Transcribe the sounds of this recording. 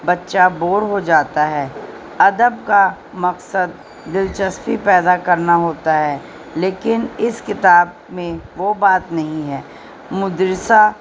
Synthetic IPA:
bɐtːʃaboːɾɦod͡ʒaːt̪aɦɛː | ɐd̪əbka | mɐqsəd̪̚ː | ɪlt͡ʃəspipɛːd̪akɐɾnaɦoːt̪aɦɛː | leːkɪnɪskɪt̪aːb | mẽʋobaːt̪nɐɦĩɦɛː | mʊd̪ɾɪsa

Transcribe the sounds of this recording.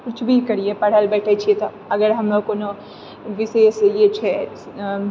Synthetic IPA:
kʊt͡ʃʰbʱikɐɾiepɐɽ̤əlbɛːʈʰet͡ʃʰiet̪o | ɐɡəɾɦɐmlokono | ʋɪseːsjet͡ʃʰɛ

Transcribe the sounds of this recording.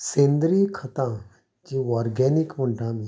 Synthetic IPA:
sẽːnd̪ɾikʰɐt̪ã | d͡ʒiɔːɾɡɛːnɪkmʊ̃ɳʈãmẽ

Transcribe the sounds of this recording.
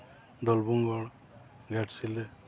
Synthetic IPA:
d̪ɔlbuŋɡɔɽ | ɡaʈsile

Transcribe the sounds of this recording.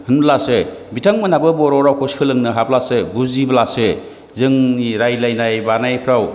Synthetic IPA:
hɯnblasebitʰaŋmɯnabɯbɔɾɔɾawkoskʰɯlɯŋnɯɦap̚lasebuziblase | zɯŋniɾajlajnajbanajpʰɾaw

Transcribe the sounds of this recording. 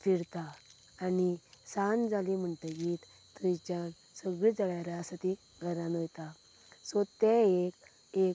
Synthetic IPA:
fiɽt̪aː | nisand͡zalim̤əɳʈ̪əɡit̪ | t̪ut͡ɕan | səɡɭid͡zəɭjaɾaəsat̪i | ɡʱəɾanojt̪a | sɔt̪ɛek | e

